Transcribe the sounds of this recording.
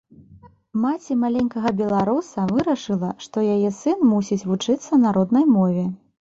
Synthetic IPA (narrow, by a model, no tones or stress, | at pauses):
mat͡sʲimalʲenʲkɐɣɐbʲɛlˠaɾusɐvɨɾɐʂɨlˠɐʂt̪ɔjajɛsɨnmusʲit͡sʲvut͡ʂɨt̪sːɐnaɾɔd̪nɐjmɔvʲɛ